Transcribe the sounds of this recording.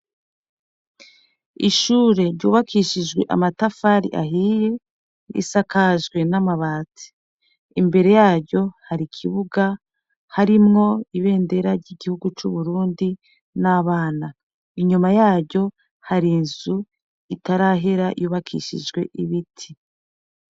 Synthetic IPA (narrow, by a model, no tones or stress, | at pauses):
iʃuːɾe̞ɾɟṵːβakʰiʃid͡ʒɡwe̞̰ʔa̰matafaɾḭʔa̰ɦiːje | ɾḭsakaʒɡwe̞namaβaːti̥ | imbe̞ɾe̞jaːɾɟo̞haɾikʰiβuɡa | haɾimŋo̞iβe̞ːnde̞ɾaɾɟiɡihuɡut͡ʃuβuɾuːndi | naβaːna | iɲumajaːɾɟo̞ | haɾinzu | itaɾaɦeɾajuːβakʰḭʃḭd͡ʒɡwe̞̰ʔiβitʰi